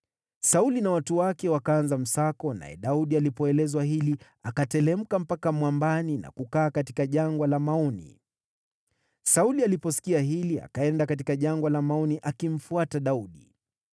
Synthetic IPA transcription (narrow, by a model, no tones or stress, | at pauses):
saulinawatuwakɛwakaanzam̩sakɔna̰jɛ̰ɗauɗialipɔɛlɛzwaɦili | akatɛlɛm̩kam̩pakamwambanina̰kukaːkati̥kaʄaŋɡwalamaɔnḭ | saulialipɔsi̥kiaɦilia̰kaɛndakat̬ikaʄaŋɡwalamaɔniʔakim̩fuataɗauɗḭ